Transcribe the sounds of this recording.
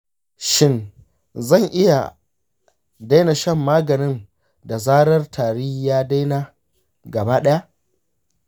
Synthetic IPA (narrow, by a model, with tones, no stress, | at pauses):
ʃɪ˦n | zɐ˦˨ŋʔɪ˦ja˨ | da˦jna˨ʃɐ˦˨mːaː˦ɡɐ˨nɪ˦n | da˨zaː˦ɾɐ˦rtʰaː˨ɽi˦jaː˦da˦jnaː˦ | ɡɐ˨baː˦ɗɐ˦ja˦ʔ